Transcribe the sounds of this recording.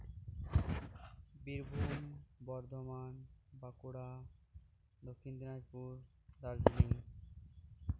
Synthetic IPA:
biɾbʱumbɔɾd̪ʱomanbakuɽa | d̪okʰːind̪inad͡ʑpuɾ | d̪aɾd͡ʑiniŋ

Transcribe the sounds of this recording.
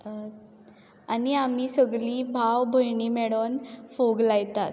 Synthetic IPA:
aniam̤iːsəɡliːbʱawbʱəjɳiːmɛɭənfoɡlajt̪at̪

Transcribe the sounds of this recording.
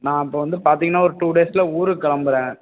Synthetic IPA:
nãːɪpːoːʋɐnd̪ɯpaːɾt̪iŋɡɐnːaːɔɾɯʈuːɽeːsɪlɐuːɾɯkɐɭɐmbɯɾẽː

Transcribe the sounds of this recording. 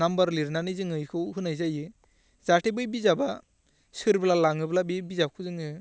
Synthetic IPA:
nambaɾliɾnanɯzɯŋɯjkʰɯwɦɯnajzajɯ | zaʈʰebɯjbizaba | sɯɾbɯlalaŋɯblabibizap̚kʰɯzɯŋɯ

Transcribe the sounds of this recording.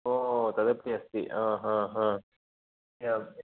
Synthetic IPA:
oːt̪ɐðɐpɽiɐst̪ḭʔãːɦãːɦã | ja

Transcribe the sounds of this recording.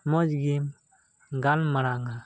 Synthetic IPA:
mɔd͡ʒɡim | ɡanmaɾaŋa

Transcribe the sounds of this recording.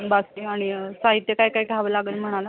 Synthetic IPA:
basiaɽ̃isaɦit̪jəkajkajkaʋəlaɡəlm̤əɽ̃ala

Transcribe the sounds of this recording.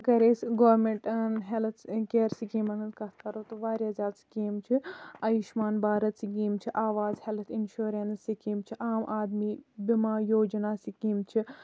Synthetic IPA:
kɐɾeːsɡoːɾmeɳʈɐnɦelt̪ʰkeːɾsikeːmɐnɐnkɐt̪aɾoːt̪oʋaːɾjaːzʲaːt̪si̥keːmt͡ʃʰiɐjiʃmaːnbaːɾɐt̪siɡeːmt͡ʃʰiʔaːʋaːzhelt̪ʰinʃuːɾensikiːmt͡ʃʰiʔaːmʔaːd̪miːbimaːjoːd͡ʒnaːsikiːmt͡ʃʰi

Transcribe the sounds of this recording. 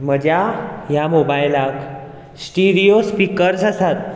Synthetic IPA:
m̤əd͡ʑjajamobajlak | sʈiɽijospikəɾsasat̪̚

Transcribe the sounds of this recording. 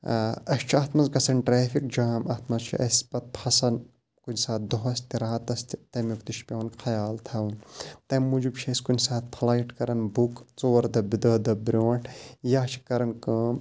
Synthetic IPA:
ɐʃt͡ʃʰɐt̪ʰmɐzɡɐsɐnʈɾeːfik̚d͡ʒaːmɐt̪ʰmɐzt͡ʃʰḭʔɐ̰spɐt̪̚pʰɐsɐn | kunsaːt̪̚d̪oɦɐst̪iɾaːt̪ɐst̪it̪ɐmjukt̪iʃpʲoːnxʰɐjaːlt̪ʰɐwnt̪ɐmːud͡ʒubt͡ʃʰɐskunsaːt̪̚pʰlaːiʈkɐɾɐnbukt͡soːɾd̪ɐbid̪ɐːd̪ɐbɾʲoːʈʰjaːt͡ʃʰi̥kɐɾɐnkɨm

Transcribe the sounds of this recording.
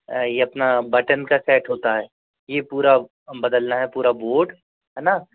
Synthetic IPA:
jeɐpnabɐʈənkasɛːʈɦoːt̪aɦɛː | jepuːɾa | bɐd̪əlnaɦɛpuːɾaboːɾɖ | ɦɛːna

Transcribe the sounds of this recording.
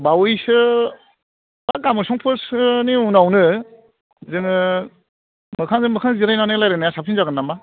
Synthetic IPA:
bawɯjsɯ | bakamɯsɔŋpʰɯsɯniunawnɯ | zɯŋɯ | mɯkʰaŋzɯmɯkʰaŋziɾajnanɯlajɾanajasapʰinzaɡɯnːama

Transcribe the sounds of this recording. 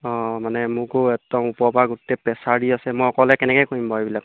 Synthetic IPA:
ɔ̃manɛmʊ̃kʊɛtɔmupɔbʱaɡutɛpɛsadiasɛmɔjɔkɔlɛkɛnɛkɛjkoɦimbɔejbilak̚

